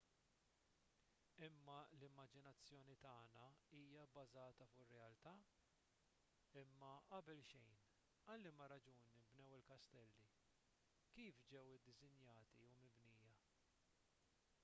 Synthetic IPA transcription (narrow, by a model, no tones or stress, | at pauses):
ɪmːɐlɪmːɐd͡ʒɪnɐt͡sːjɔːnit̪ɐːnɐiːjɐbɐzɐːt̪ɐfʊʔɪrːɛɐlt̪ɐː | ɪmːɐʔɐbɛlʃɛjn | ɐlːimɐɾɐd͡ʒuːnɪbnɛwɪlkɐst̪ɛlːi | kiːfd͡ʒɛwɪd̪ːɪzɪnjɐːt̪iumɪbniːjɐ